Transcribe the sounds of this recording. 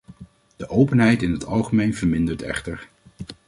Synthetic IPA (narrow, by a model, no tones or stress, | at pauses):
d̥əʔowpənɦɛjtɪnɦətɑ̰lˠχəmejnv̥əɹmɪndəɹtɛ̰χtəɹ